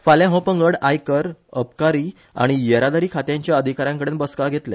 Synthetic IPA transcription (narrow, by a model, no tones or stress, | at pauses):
faljãɦɔ̃pə̃ŋɡəɽajkəɾəpkaɾiː | a̰ɽ̃ijəɾad̪aɾiːkʰat̪jaɲt͡ɕjaəd̪ʱikaɾãŋkəɽeːnbəskaɡʱet̪le